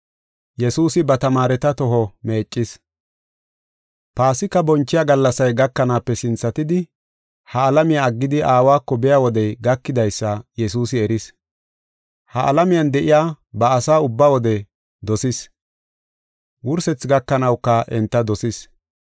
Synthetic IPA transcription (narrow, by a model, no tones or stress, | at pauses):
jɛsuːsɪbɐt̪ɐmaːɾɛt̪ɐt̪ɔɦɔmeːt͡ʃʼːɪs | paːsɪkːɐbɔnt͡ʃːɪjaːɡɐlːɐsɐjɡɐkːɐnaːpːɛsɪnt͡sːɐt̪ɪd̪ɪ | hɐːlɐmɪjaːɡːɪd̪ɪʔaːwaːkːɔbɛjawɔd̪ɛjɡɐkːɪd̪ɐjsːɐjɛsuːsɪɛɾɪs | hɐʔɐ̰lɐmɪjɐnd̪ɛʔɪjaː | bɐːsaːʊbːawɔd̪ɛ | d̪ɔsɪs | wʊɾsɛt͡sɡɐkːɐnɐwkːɐʔɛnt̪ːɐd̪ɔsɪs